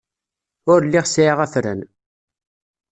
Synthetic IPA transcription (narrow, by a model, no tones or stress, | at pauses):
ʊɾlːiʁsjiʁæθɾə̰n